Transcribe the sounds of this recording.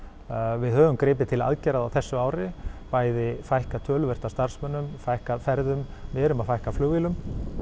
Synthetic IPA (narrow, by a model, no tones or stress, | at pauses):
vɪðhœːvʏmkɾɪːp̬ɪt̪ʰɪla̰ðcɛːɾaðawθɛsːʏaːwɾɪpaːjðɪfajhkat̪ʰœːlvɛr̥t̪ast̪aɾ̥smœnːʏmfajhkaðfɛɾðʏmvɛːɾʏmaðfajhkaflʏɣvilʏm